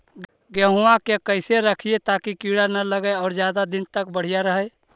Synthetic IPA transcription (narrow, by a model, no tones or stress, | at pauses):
ɡəɦuãkekəɪseɾəkʰijet̪akikiɽanələɡəeɔːɾd͡ʒjaːd̪ad̪ɪnt̪əkbəɽ̤ijaɾəɦə